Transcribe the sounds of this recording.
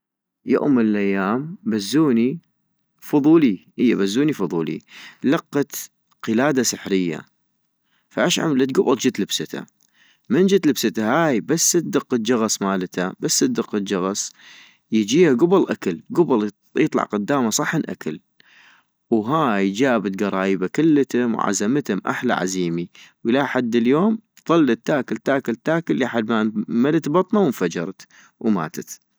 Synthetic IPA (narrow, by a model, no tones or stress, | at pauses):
jo̰ːmːənəlʔajːaːmbazːuːni | fʊðˤuːlihəjːabazːuːnifʊðˤuːlḭlɑqːɑt̪ | qəlaːd̪asɪħɾɪjːa̰ | faʔaʃʕa̰mlat̪̚ɡʊbɑld͡ʒɪt̪ləbsɪt̪ʰa̰ | mɪnd͡ʒɪt̪ləbsɪt̪ahaːjbasːət̪̚d̪ɨq̪ːd͡ʒɑɣɑsˤmaːlt̪ʰabasːəd̪ɪqːɑd͡ʒɑɣɑs | jəd͡ʒiːhaɡʊbɑlʔakalɡʊbɑl | jɨt̪ˤlɑ̰ʕqʊd̪ːaːmasˤɑħːənʔa̰kʰal | wɦaːjd͡ʒaːbat̪ɡɑɾˤɑːjbakɪlːt̪amwʕa̰zamt̪ʊmʔa̰ħla̰ʕa̰ziːmiwɪlaħad̪ːɪljoːm | ðˤɑlːat̪ːaːkɪlt̪aːkalt̪aːkɪlːiħad̪mamalat̪bɑt̪ˤnɑwənfad͡ʒɑ̰ɾˤt̪ | wma̰ːt̪at̪